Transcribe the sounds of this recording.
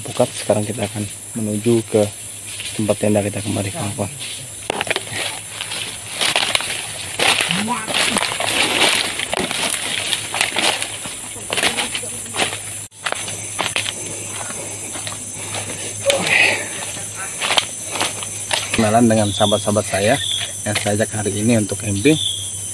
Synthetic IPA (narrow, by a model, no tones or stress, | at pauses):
pukat̪̚sə̥kaɾaŋkit̪aːkan | mənud͡ʒukə | t̪əmpat̪andakit̪akəmaɾikaŋkɔn | knalandəŋansabat̪̚sabat̪̚sajajaŋsəad͡ʒakhaɾiːniunt̪ʊkɛmpi